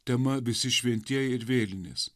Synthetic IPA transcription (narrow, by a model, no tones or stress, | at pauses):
t̪ʲɛmɐʋʲɪsʲɪʃʲʋʲɛnʲt̪ʲiɛjɪɾʋʲeːlʲɪnʲḛːs